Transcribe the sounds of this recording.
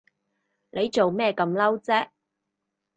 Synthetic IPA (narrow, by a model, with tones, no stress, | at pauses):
le˨˧jt͡so˨wmɛː˥kɐ˨˥mlɐ˥wt͡sɛː˥